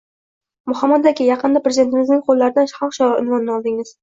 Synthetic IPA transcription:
mʊhamːad̪akʲɪjɑqɨnd̪apɾezʲd̪et̪ɪmɪznɪŋqʰolˠːaɾɪd̪anʃχɒχʃɒɪ̰nvɒnːɪɒlˠd̪ɪŋɪz̥

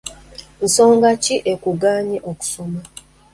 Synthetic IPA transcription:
n̩so̞ːŋɡaciʔekuɡaːɲiʔoku̥soma

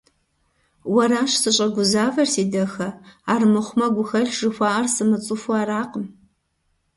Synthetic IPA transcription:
wɐɾaːʃsɨɕʼɐɡʷʊzaːvɐrsiːdɐxɐaːrmɨχʷmɐɡʷʊxɐɮʐɨxʷaːʔɐrsɨmɨt͡sʼɨfɔaːɾaːqəm

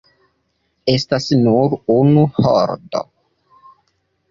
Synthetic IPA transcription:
estasnuɾunuho̰ɾdo̰

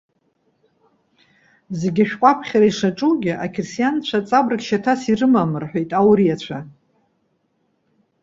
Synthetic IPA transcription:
zeɡʲaʃᶣqʷʼapʰχʲaɾaiʂaʈ͡ʂʼuɡʲɪʔakʲʰersijant͡ɕʷʰat͡sʼabrɨkʲʃatʰasirɨmamɨrħʷᶣojtʼawɾiat͡ɕʷʰa

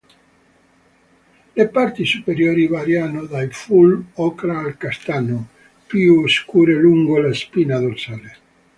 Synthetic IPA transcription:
lepaɾt̪isupeɾjoɾiβaɾjanoðaifulɔkɾaːlkast̪ano | pioskuɾeluŋɡolaspinaðolsale

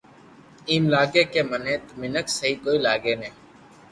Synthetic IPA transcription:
iːmlaːɡeːkeːmənẽːt̪mɪnəksəɦiːkoːiːlaːɡeːneː

